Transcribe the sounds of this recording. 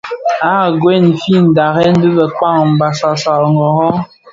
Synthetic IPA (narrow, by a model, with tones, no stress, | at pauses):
a˦˨ɡwe˦˨n˨fi˦˨n̩˨da˨ɣɛ˦n̩˦bɨ˦bɛ˨k͡pa˦˨ŋm̩˨ba˨sa˨sa˨lŋɡɔ˨ɣɔ˦